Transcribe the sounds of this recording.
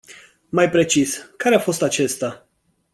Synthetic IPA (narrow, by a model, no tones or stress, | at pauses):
majpɾe̞t͡ʃiskaɾeafo̞st̪at͡ʃe̞st̪a